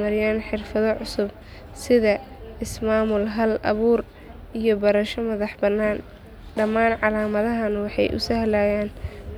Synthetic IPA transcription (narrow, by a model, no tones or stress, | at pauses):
mɐɾɪjaːnħɪrfɐðɔʕʊsʊb̚ | sɪðɐ | ɪsmaːmʊlɦɐlɐ̰βuːr | ijɔbɐɾɐʃɔmɐðɑħbɐnːaːn | ɖɐmaːnʕɑlaːmɐðɐɦɐnwɑħɑ̰jʔʊ̰sɐhɐlaːjaːn